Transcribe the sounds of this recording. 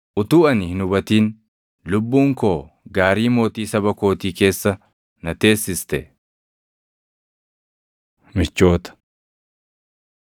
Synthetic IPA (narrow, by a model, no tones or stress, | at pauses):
ʔʊt̪uːɐnɪhɪnʊbɐt̪iːn | lʊbːuːŋkoː | ɡaːɾiːmo̞ːt̪iːsɐbɐko̞ːt̪iːke̞ːsːɐ | nɐt̪e̞ːsːɪst̪ɛ | mɪt͡ʃːo̞ːt̪ɐ̥